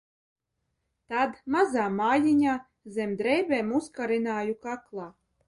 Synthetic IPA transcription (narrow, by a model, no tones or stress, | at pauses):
t̪ad̪mazaːmaːjiɲaː | zɛmd̪ɾɛjbʲeːmuskaɾinaːjukaklˠaː